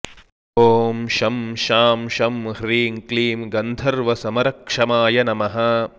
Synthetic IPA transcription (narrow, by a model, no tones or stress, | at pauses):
ɦoːmʃɐmʃaːmʃɐmhɾiːŋkliːmɡɐnd̪ʱɐɾʋɐsɐmɐɾɐkʂɐmaːjɐnɐmɐɦɐ